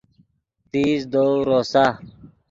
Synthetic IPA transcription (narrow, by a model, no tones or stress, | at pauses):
t̪iːzd̪oɾoːsa